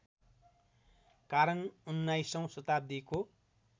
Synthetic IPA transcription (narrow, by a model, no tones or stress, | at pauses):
kaɾʌnunːajsʌ̃w̃sʌt̪ab̚d̪iko